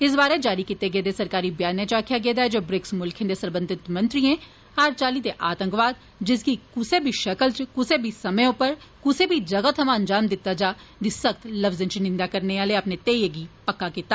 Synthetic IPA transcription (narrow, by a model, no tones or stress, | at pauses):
ɪs̬baːɾed͡ʒaːɾikit̪eɡeːd̪esɐɾkaːɾibjaːnẽt͡ʃaːkʰjaɡeːd̪aːɛd͡ʒoːbɾɪksmʊlkʰẽnd̪esəɾbə̃nd̪ɪt̪mɐ̃nt̪ɾiẽ | aːɾt͡ʃaːlid̪eʔaːt̪ə̃ŋkʋaːd̪̚ | d͡ʒɪskikʊsebʱiʃɐkəlt͡ʃkʊsebʱisɐməjõpɐɾ | kʊsebʱid͡ʒɐɡət̪ʰɐmãɐ̃nd͡ʒaːmd̪ɪt̪ːad͡ʒaː | d̪isəkt̪lɐbzə̃nt͡ʃnɪ̃nd̪akɐɾneaːleɐpnet̪eːjeɡipɐkːakit̪ːa